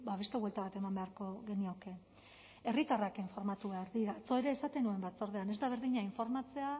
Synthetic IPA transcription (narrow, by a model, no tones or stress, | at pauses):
baβe̞st̪e̞βwelt̪aβat̪e̞mambe̞aɾko̞ɣe̞nio̞ke̞ | e̞rit̪arakiɱfo̞ɾmat̪uβeaɾðiɾat͡so̞e̞ɾe̞ːsat̪e̞nue̞mbat͡so̞ɾð̞e̞ane̞zd̪aβ̞e̞ɾðiɲaiɱfo̞ɾmat͡se̞a